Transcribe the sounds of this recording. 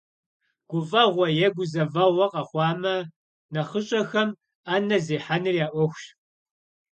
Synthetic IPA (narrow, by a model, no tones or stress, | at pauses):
ɡ̥ʷʊfʼɐʁʷɔjɛɡʷʊzɐvɐʁʷɐqʼɐχʷɑːmɐ | nɐχəɕʼɐxɐm | aːnɐzeːħanɨrjaːʔʷɔxʷɕ